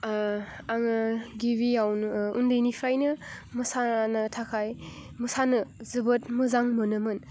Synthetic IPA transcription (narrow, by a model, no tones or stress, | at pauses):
aŋɯɡibijawnundɯjnipʰajnɯmɐsanɯtʰakʰajmɯsanɯzɯbɯt̚mɯzaŋmɯnɯmɯn